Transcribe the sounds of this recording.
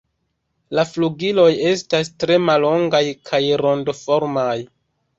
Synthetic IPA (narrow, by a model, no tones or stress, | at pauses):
lafluɡilo̞je̞stastɾe̞malo̞ŋɡajkʰajɾo̞ndofo̞ɾmaj